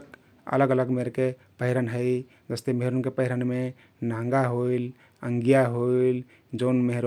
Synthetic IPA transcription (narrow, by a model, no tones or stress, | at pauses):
ə̰ləɡələɡmeɾke | pəɦiɾənɦəɪ | d͡ʒəst̪emeɦɾonkepəɦiɾənme | nãŋɡaɦoil | əŋɡijaɦoil | d͡ʒonmeɦɾo